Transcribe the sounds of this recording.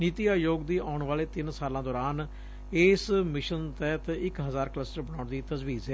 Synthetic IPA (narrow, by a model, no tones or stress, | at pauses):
niːt̪iaːjoːɡd̪iːʔaːʊɳʋaːleːt̪ɪnsaːlãːd̪ɔːɾaːn | eːsmɪʃənt̪ɛːt̪ːɪkɦəzaːɾkləsʈəɾbəɽ̃aːɳd̪iːt̪əzʋiːzɦɛː